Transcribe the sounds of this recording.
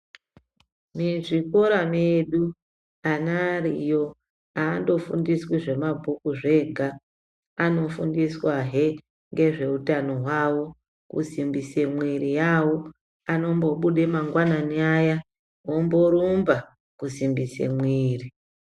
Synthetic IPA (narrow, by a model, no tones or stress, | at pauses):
miʐiko̞ɾameɗu | anarḭjo̞ | aːndo̞fṵndiswiʐe̞mabʱukuʐe̞ɡʱaː | no̞fundiswaɦe | ŋɡe̞ʐe̞utano̞ɦwawo̞ | kṵzimbise̞mwiɾijawo | ano̞mbo̞ɓuɗe̞maŋɡwananaja | wo̞mbo̞ɾumba | kuzimbisḛmwiːri